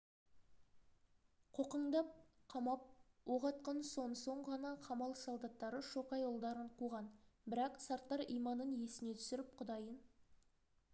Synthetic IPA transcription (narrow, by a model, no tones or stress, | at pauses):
qʰoqəɴd̪ɑp̚qʰɑmɑp̚ | wo̞ʁɑt̪̚qɑnso̞nəso̞ɴʁɑnɑqʰɑmɑlˠəsolˠd̪ɑt̪ːɑɾəʃo̞qɑjolˠd̪ɑɾəɴqʰuʁɑnbɪɾɑqsɑɾt̪ːɑɾijmɑnənje̞sɪne̞t̪ʰʏ̥sɪɾɪp̚qʰʊd̪ɑjən